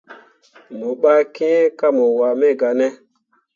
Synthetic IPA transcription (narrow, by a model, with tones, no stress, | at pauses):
mo˨ɓa˦ke˦ka˦mɔ˨wa˨mɛ˦˨ɡa˨nɛ˦